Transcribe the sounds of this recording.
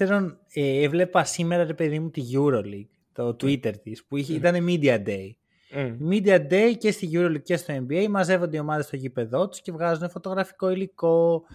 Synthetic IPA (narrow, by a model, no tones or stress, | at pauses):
eɾo̞n | eevle̞pɐsime̞ɾɐɾe̞pe̞ðimut̪iʝuɾo̞liɡ̥ | t̪o̞t̪uit̪e̞ɾt̪ispuiit̪ɐne̞mid̪iɐd̪ei | mid̪iɐd̪e̞jce̞st̪iʝuɾo̞liɡ̚ce̞st̪o̞e̞mbiejmɐze̞vo̞nd̪eio̞mɐðe̞st̪oʝipe̞ðo̞t̪u̥sce̞vɣɐzune̞fo̞t̪o̞ɣɾɐfi̥ko̞iliko̞